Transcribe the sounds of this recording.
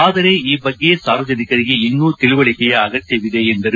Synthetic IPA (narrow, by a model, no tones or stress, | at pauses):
aːðɐɾeːiːbɐɡːijesaːɾʋɐd͡ʒɐnɪkːɐɾɣiɪnːuːt̪ɪlɯʋɐɭɪkːɐjɐɐɣɐt͡ʃːɐʋɪðeɛndɐɾɯ